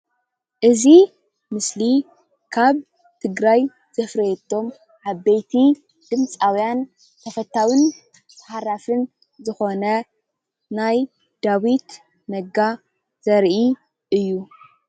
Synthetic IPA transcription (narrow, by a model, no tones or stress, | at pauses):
ʔɨzi | mɨsli | kʰaβ | t̪ʰɨɡɾaj | z̥ɐfɾɐet̪ʰːo̞m | ʕaβbejt̪ʰi | d̪̥ɨmt͡sʼawjan | t̪ʰɐfɐt̪ːawin | tħaɾafɨn | zɨxo̞nɐ | naj | d̪̥awit̪ | nɐɡa | z̥ɐɾʔi | ʔɨjːu